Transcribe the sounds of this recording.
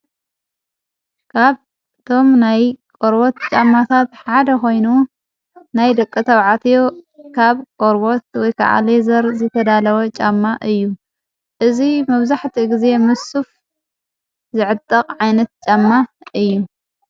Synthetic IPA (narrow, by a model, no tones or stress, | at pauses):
kʰaβ | t̪ʰo̞mnajkʼoɾbot̪t͡ʃʼamːat̪ʰat̪ħad̪ɐko̞jnu | najd̪ɐkʼːɨt̪ʰɐwʕat̪ʰjokʰaβkʼoɾbot̪wɔjkʰa̰ʕa̰lezɐɾzɨt̪ʰɐd̪alɐwɐt͡ʃʼamːaʔɨjːu | ʔɨzimɐβzaħt̪ʰiɡize̞mɨsuf | zɨʕɨt̪ʼːɐqʼʕajnɐt̪̚t͡ʃʼamːaʔɨjːu